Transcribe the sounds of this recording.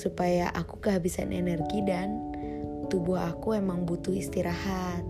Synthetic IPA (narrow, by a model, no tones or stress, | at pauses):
supajaʔakukəɦabisa̰nʔɛ̰nɛrɡidan | t̪ubuɦakuemaŋbut̪uhist̪iɾahat̪̚